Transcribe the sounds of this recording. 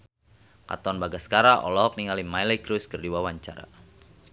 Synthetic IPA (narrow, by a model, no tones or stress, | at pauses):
ka̰t̪ɔnbaɡaskaɾaʔɔ̰lɔɦɔk̚niŋalimailekɾuskərdiwawaɲt͡ʃa̰ɾa̰